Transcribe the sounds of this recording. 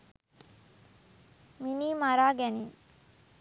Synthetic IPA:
miniːmaɾaːɡɛni

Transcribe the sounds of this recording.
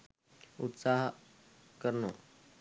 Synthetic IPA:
ʊt̪saːɦ | kəɾnoː

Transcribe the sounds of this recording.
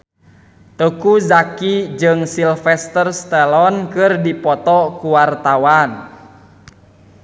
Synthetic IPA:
t̪əkuzakid͡ʒɨŋsilfɛst̪ərst̪ɛlɔnkɨrdipɔt̪ɔkuwart̪awan

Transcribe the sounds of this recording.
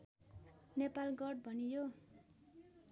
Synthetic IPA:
nepalɡʌɖ̚bʱʌnijo

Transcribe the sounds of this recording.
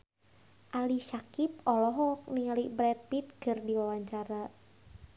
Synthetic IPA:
ʔaliʃakip̚ɔlɔɦɔk̚niŋalibɾɛt̪̚pit̪̚ɡ̥ərdiwawaɲt͡ʃaɾa

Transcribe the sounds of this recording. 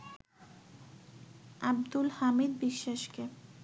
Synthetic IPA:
ab̚d̪ulhamid̪̚biʃːaʃke

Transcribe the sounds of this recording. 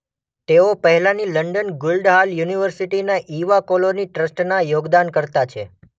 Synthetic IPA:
t̪eopəɦɛlaniləɳɖənɡʊlɖɦaljuniʋəɾsiʈinaʔiʋakoloniʈɾəsʈnajoɡd̪ankəɾt̪at͡ʃʰe

